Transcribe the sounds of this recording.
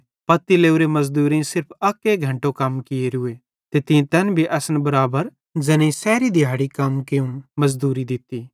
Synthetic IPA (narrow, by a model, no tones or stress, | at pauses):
pɐt̪ːileːuɾemɐzd̪uːɾĩsɪɾpʰɐkeɡʱɐ̃ɳʈõkɐmkɪeɾʊe | t̪et̪ĩt̪ɛnbʱiʔɐsənbɐɾaːbəɾ | d͡ʒɛːnẽisɛːɾid̪ʱɪjaːɽikɐmkeũmɐzd̪uːɾid̪ɪt̪ːiː